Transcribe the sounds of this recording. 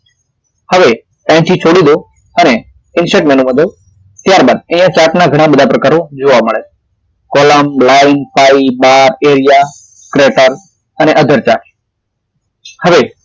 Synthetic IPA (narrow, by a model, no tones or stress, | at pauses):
həʋe | pɛ̃ʈʰit͡ʃʰoɽid̪o | əne | ɪnseʈmenũʋə̃d̪o | t̪jaɾbaːd̪̚ə̃ɦjãt͡ʃaknaɡʱəɽ̃ãbəd̪ʱapɾəkaːɾod͡ʒoʋaməɭe | kɔləmlaɪnpaibaɾeɾija | kɾeʈəɾ | əneʔəd̪ʱəɾt͡ʃak | həʋe